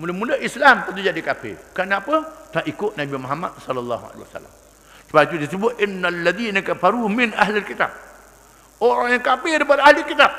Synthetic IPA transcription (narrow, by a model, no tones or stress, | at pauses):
muləmuləʔislamt̪ənt̪̬ud͡ʒadikafɪ̰kanapət̪aʔikʊʔnabimoɦama̰t̪̚sɔlalːa̰ɦua̰lḛwa̰sa̰la̰m | səbait̪ut̪əsəbʊt̪̚ʔɪnːalːad̪inakafaɾuhmɪnʔa̰ɦlalkit̪a̰b̚ | oɾaŋjaŋkapɪɾipadaʔahlilkit̪ab̚